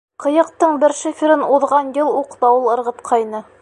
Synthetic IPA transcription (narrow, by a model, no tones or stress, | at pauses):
qɤ̆jɤ̆q̚t̪ɤɴbɘɾʃɘfʲɪ̆ɾɘnuðʁɑnjɤlˠuqd̪ɑwɤlˠɤ̆ɾʁɤ̆t̪qʰɑjnɤ